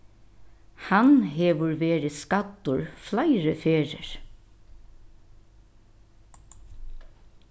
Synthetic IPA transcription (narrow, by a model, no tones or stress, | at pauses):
hanɦɛːʋʊɹʋeːɾɪskat̪ːʊɹflaɪɾəfeːɹə̰ɹ̥